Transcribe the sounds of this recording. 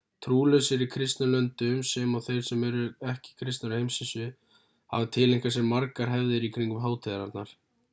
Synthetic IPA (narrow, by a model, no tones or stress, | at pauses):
t̪ʰɾuːlœsɪɾikʰɾɪst̪nalœnt̪ʏmsɛmaɣθejɾ̥sɛmɛɾʏɛhcɪ̥kʰɾɪst̪naɾʏhejmsɪsʏ | ha̰vɪt̪ʰɪleŋkasɛmːaɾkaɾ̥ɦɛvðɪɾikʰɾiŋkʏmɦaːwt̪ʰɛðaɾaɾt̪naɾ̥